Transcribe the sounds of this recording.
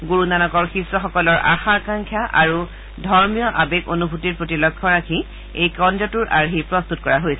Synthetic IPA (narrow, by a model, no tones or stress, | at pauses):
ɡoɹunanɔkɔɹxisɔxɔkɔlɔɹa̰xaɹkaŋkʰjaʔa̰ɹu | dʱɔɹmijɔʔabekonubʱutiɹpɹotilɔkʰːɔɹakʰi | ejkɔnd͡ʒɔtuɹʔaɹɦipɹɔst̪utkɔɹaɦojsɛ